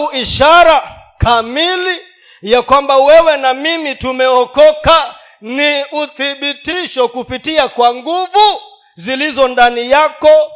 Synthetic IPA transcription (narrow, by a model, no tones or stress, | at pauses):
uiʃaɾa | kamili | jakwambawɛwɛnamimitumɛɔkɔka | niuθiɓitiʃɔkupitiakwaŋɡuvu | zilizɔndanijakɔ